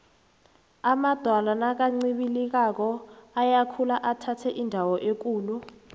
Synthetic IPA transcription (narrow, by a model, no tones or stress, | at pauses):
amad̥ʱwalanak̬aŋ͡ǀiɓilik̬ak̬ɔajakʰulaʔatʰatʰɛʔindʱawɔʔek̬uːlu